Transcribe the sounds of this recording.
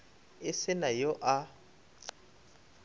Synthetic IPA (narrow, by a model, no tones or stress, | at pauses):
ɪsɪnajɔʔa